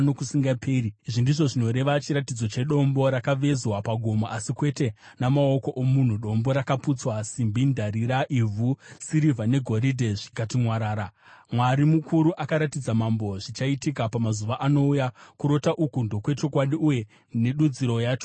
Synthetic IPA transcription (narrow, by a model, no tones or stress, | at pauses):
nokusiŋɡaperiiʐindiʐo̞ʐino̞ɾe̞ʋat͡ʃiɾatid͡zo̞t͡ʃe̞ɗo̞mbo̞ɾakaʋe̞zwapaɡʱo̞moʔasikwe̞te̞ | namao̞ko̞ʔomun̤uɗo̞mbo̞ɾakaput͡swasimbindaɾiɾaʔivʱusiɾivane̞ɡʱo̞ɾidʱeʐikatimwaɾaːɾa | mwaɾimukʰuɾuʔakaɾatid͡zamambo̞ʐit͡ʃaitikapamazuʋaʔano̞ujakuɾo̞taʔukundo̞kwe̞t͡ʃo̞kwaɗiuje̞ | ne̞ɗud͡ziɾo̞jaːt͡ʃo̥